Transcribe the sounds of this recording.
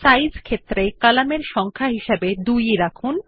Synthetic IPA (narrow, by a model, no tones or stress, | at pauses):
sajd͡ʑkʰet̪ːɾekalameɾʃɔŋkʰaɦiʃebed̪ujeɾakʰun